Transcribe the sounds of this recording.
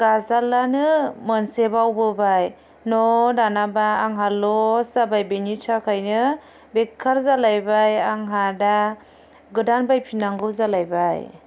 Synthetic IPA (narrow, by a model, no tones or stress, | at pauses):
ɡazalːanɯmɯnsebawbɯbaj | nɔdanabaːŋɦalɔsabajbenitʰakʰajnɯ | bekʰːaɾzalajbajaŋɦada | ɡɯdanbajpʰinaŋɡɯzalajbaj